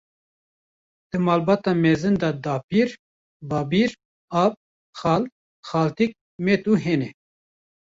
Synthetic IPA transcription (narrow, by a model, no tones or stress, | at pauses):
d̪̥ɨmɑːlbɑːt̪ɑːmeːzɨnd̪ɑd̪ɑːpiːɾ | bɑːbiːɾ | ɑːb̚ | xɑːl | xɑːlt̪ik̚ | met̪uɦeːnɛ